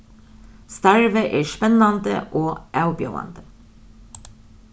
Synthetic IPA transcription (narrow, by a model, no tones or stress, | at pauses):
st̪æɹʋəʔeːʃpɛnɑnd̪ə̰ʔoːʔæʉbjɑ̰ːɑ̰nd̪ə